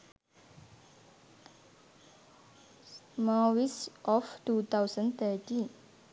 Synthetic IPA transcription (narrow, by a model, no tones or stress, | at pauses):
mawisʔɔfʈut̪ʰawsə̃nt̪ʰəʈĩn